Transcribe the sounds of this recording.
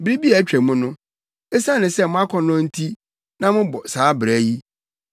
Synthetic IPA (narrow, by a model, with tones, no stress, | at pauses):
bɾi˦bi˦a˨æ˦t͡ɕᶣɾæ˨mʊ̃˦nʊ̃˦ | e˦sã˦nɪ̃˨sɛ˦mʊ̃˦a˦kʰɔ̃˨nɔ̃˦n̩˦tʰi˦ | nã˦mʊ̃˦bɔ˨saː˨˦bɾæ˨˦ji˦